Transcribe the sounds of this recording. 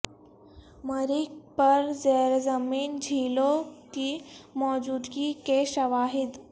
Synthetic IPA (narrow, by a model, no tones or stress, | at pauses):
məɾik̚pəɾd͡zeɾd͡zəmiːnd͡ʑʱilokimɔd͡ʑud̪kikeɕəʋaɦid̪